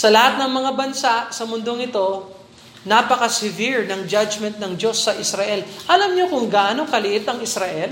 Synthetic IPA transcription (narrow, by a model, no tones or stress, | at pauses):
sɐlɐhat̪̚nɐŋmɐŋabɐnsaʔsɐmʊnd̪o̞ŋɪt̪o̞ | naːpɐkɐsɪviɹnɐŋd͡ʒad͡ʒmɛnt̪̚nɐŋd͡ʒo̞sːɐʔɪsɾɐʔɛlʔɐlamɲokʊŋɡaʔaːno̞ŋkɐlɪʔɪt̪ɐŋɪsɾɐʔɛl